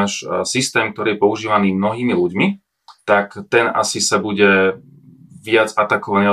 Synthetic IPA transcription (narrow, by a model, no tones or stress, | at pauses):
aʃsist̪ɛːmkt̪ɔɾiːjɛpɔuʒiːʋaniːmnɔɦiːmiluɟmi | t̪akt̪ɛna̰sisabuɟɛ | ʋɪad͡zat̪akɔʋani